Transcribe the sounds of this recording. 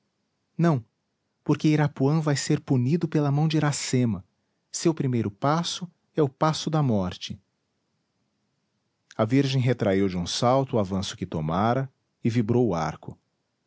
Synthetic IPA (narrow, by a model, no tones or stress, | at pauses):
nɐ̃w̃ | poɾkɪiɾapuɐ̃vajseɾpunid̪ʊpelɐmɐ̃w̃d͡ʒɪɾasẽmɐ | sewpɾimejɾʊpasʊ | ɛʊpasʊd̪ɐmɔɾt͡ʃɪ | ɐviɾʒẽj̃ɦet̪ɾʔaiwd͡ʒɪũsawt̪ʊːavɐ̃sʊ̥kɪt̪omaɾɐ | ɪvibɾowʊa̰ɾkʊ